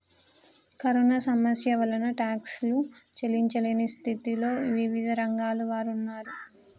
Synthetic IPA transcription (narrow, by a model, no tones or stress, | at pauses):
kɐɾoːnasɐmɐsjɐʋɐlɐnɐʈaːkslut͡ʃeliɲt͡ʃɐlinist̪ʰit̪iloːʋiʋid̪ʱɐɾɐŋɡaːluʋaːɾunːaːɾu